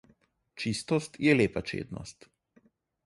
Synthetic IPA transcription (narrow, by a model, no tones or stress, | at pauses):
t͡ʃist̪ɔst̪jɛleːpat͡ʃḛːd̪nɔ̰st̪